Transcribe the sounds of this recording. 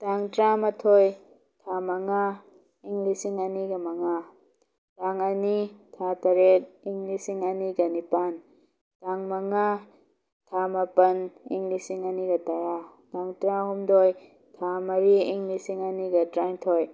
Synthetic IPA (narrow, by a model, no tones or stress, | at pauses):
taŋtɾamɐtʰoj | tʰamɐŋa | iŋɡlisiŋɐniɡɐmɐŋa | taŋɐnitʰatɐɾek̚iŋɡlisiŋɐniɡɐnipan | taŋmɐŋa | tʰamɐpɐnḭŋlisiŋɐniɡɐtɐɾa | taŋtɾahumdoj | tʰamɐɾiːŋlisiŋɐniɡɐtɾaŋtʰoj